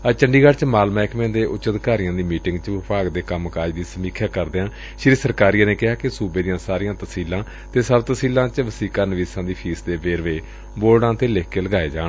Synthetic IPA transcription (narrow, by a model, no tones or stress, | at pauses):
ət͡ʃəɳɖiːɡəɽt͡ʃmaːlmɛːɪkmẽːnd̪eːʔʊt͡ʃəd̪kaːɾɪjãːd̪iːmiːʈɪŋɡt͡ʃʋɪpaːɡd̪eːkəmkaːd͡ʒd̪iːsəmiːkʰjaːkəɾd̪eːãː | ʃɾiːsəɾkaːɾijãːneːkɪɦaːkɪsuːbeːd̪ijãːsaːɾiːãːt̪əsiːlãː | t̪eːsəbt̪əsiːlãːt͡ʃəʋəsiːkaːnəʋiːsãːd̪iːpʰiːsd̪eːʋeːɾʋeː | boːlɽãːt̪eːleːkeːləɡaːeːd͡ʒaːɳ